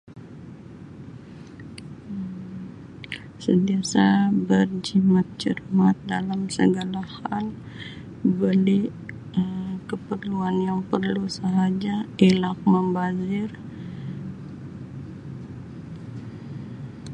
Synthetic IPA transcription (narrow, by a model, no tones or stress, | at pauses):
səntiasabərd͡ʒimat̪̚t͡ʃə̰rmat̪̚dalamsə̰ɡalahal | bəli | əkəpərluanjaŋpərlusəɦad͡ʒaelak̚məmbazɪr